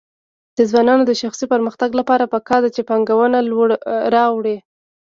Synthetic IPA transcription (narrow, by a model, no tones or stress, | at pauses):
d̪̥əzwɑnɑnod̪əʃaxsipəɾməxt̪aɡlapɑɾapəkɑɾd̪at͡ʃepɑŋɡawənaɾɑwɽi